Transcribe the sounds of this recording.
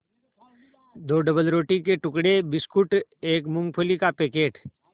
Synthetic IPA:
d̪oːɖɐbəlɾoːʈikeʈʊkɽebɪskʊʈeːkmʊ̃ŋɡ̚pʰoːlikapeːkeːʈ

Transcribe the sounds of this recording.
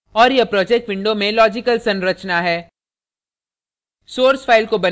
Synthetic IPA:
ɔːɾjepɾɔːd͡ʒɛk̚ʈʋɪ̃ɳɖomẽlɔːd͡ʒɪkəlsɐ̃nɾət͡ʃnaɦɛː | soːɾsfʰaːɪlkobɐ

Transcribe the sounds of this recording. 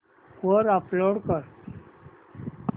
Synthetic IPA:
oɾaploɽkəɾ

